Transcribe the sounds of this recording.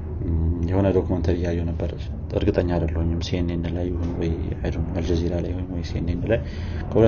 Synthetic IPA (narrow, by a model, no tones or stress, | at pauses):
jɛho̞nəd̪okʰumənt̪ʰəɾijajːɛwnəbːəɾ | ɨ̰ɾɡɨt̪ʼəɲːad̪əlːəhuɲːɪmsenːenːɨlajːɪhunwɔjʕad̪umməld͡ʒəziɾalajhoɲmwɔjsenːejnːɨlaj | kʰəhul